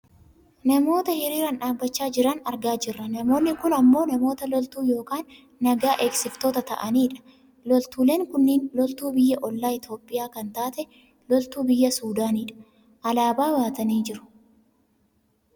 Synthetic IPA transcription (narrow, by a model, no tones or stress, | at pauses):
nɐmo̞ːt̪ɐhɪɾiːɾɐnᶑaːbːɐt͡ʃːaːd͡ʒɪɾɐnɐɾɡaːd͡ʒɪrːɐnɐmo̞ːnːɪkʊnɐmːoːnɐmo̞ːt̪ɐlɔlt̪uːjo̞ːkaːnː | ɐɡaːʔe̞ːksɪft̪oːt̪ɐt̪ɐ̰ʔɐniːᶑɐ̥ | lɔlt̪uːle̞ːŋkʊnːiːnlɔlt̪uːbɪjːɐʔɔlːaːɪt̪o̞ːpʼːɪjaːkɐnt̪aːt̪ɛ | lɔlt̪uːbɪjːɐsuːd̪aːniːᶑɐ̥ | ʔɐlaːbaːwaːt̪ɐniːd͡ʒɪɾʊ̥